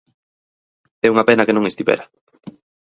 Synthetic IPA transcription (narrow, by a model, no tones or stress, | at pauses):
ɛuŋapenakenõŋest̪ipɛ̰ɾa